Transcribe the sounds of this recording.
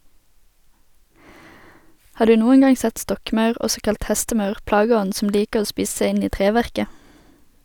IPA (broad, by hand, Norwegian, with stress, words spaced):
ˈhɑː ˈdʉː ˈnuːən ˈɡɑŋ ˈsɛt ˈstɔkˌmɑʉʁ ˈʔɔsɔ ˈkɑlt ˈhɛstəˌmɑʉʁ ˈplɑːɡəˌɔn̩ sm̩ ˈliːkəʁ ˈoː ˈspiːs ˈsæɪ ˈɪn ˈiː ˈtʁeːˌʋæʁkə